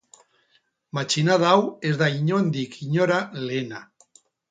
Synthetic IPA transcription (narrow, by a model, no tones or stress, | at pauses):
mat͡ʃinaðawezðaiɲond̪ikiɲoɾalena